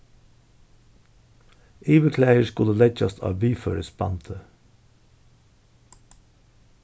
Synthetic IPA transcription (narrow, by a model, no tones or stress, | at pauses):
ʔiːʋəkʰlæɪəʃkʊləlɛc͡çɑst̪ʰɑ̰ːʋiːfø̰ːɾəspɑ̰nt̪ʰə